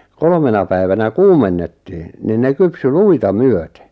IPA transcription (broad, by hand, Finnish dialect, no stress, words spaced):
kolmenɑ pæiʋænæ kuːmenːetːi̥ː nin ne kypsy luitɑ myøte